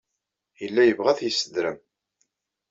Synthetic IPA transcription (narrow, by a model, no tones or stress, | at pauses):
jəlːæjəvʁæθjəsːəd̪ɾəm